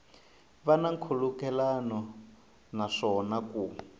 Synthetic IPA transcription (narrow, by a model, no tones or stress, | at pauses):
βanaŋkʰulukɛlanɔ | naʂɔnaku